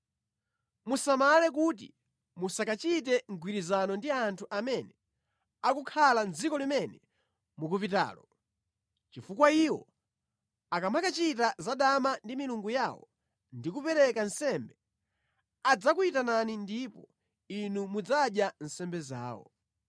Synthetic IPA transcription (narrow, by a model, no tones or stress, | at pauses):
musamalɛk̬ut̬ḭ | musakat͡ʃit̬ɛŋɡwiɾizanɔndiantʰuʔamɛnɛ | akukʰaland͡zikɔlimɛnɛ | muk̬upita̰ːlɔ | t͡ʃifukwaiwɔ̰ | akamakat͡ʃitazaɗamandimiluŋɡujawɔ̰ | ndikupɛɾɛkansɛmbɛ | ad͡zakuitananindipɔ | inumud͡zaɗjan̩sɛmbɛza̰ːwɔ̰